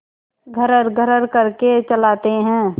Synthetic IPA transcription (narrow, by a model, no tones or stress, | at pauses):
ɡʱəɾəɾɡʱəɾəɾkɐɾket͡ʃəlaːt̪eɦɛ̃ː